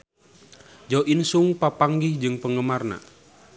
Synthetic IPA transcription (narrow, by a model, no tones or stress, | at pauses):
d͡ʒaoʔinsuŋpapaŋɡɪhd͡ʒɨŋpəŋɡəmarna̰